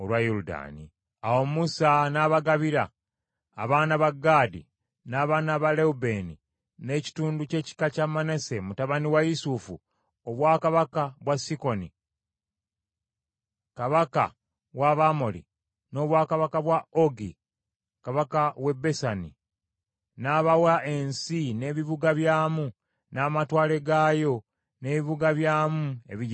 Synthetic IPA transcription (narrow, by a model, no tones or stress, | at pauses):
olwajuluda̰ːni | awo̞musanaβaɡaβiɾaː | βaːnaβaɡːaːdḭ | naːβaːnaβaleube̞ni | ne̞ci̥tuːnduce̞ːci̥kacamane̞se̞mutaβaniwajisufu | oβwaːkaβakaβwasiko̞ni | kaβaka̰ | waβamo̞lḭ | no̞ːβwaːkaβakaβwaoɡḭ | kaβakawe̞be̞sanḭ | naβawaʔensine̞ːβiβuɡaβjaːmu | naːmatwaːle̞ɡaːjo̞ | ne̞ːβiβuɡaβjaːmue̞̰βi